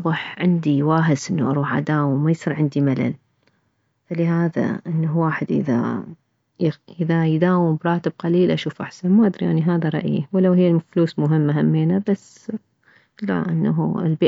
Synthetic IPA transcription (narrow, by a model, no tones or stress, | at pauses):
bəħʕɪnd̪iwaːɦɪsʔɪnːaʔɑɾˤuːħʔa̰d̪aːwɪmmːajsˤiːɾʕɪnd̪imala̰l | falɪɦaːða̰ʔɪnːawaːħɪd̪ʔɪ̰ða̰ | jʔɪðajd̪aːwɪmbɾˤɑːt̪ɪb̚qɑliːlʔaʃuːfʔaħsanmaʔad̪ɾiʔaniɦaːðaɾˤɑ̰ʔjḭwɪlawɦɪjːalmafluːsmʊɦɪmːaɦamːeːnabasː | la̰ʔɪnːaɦɪ̰lbi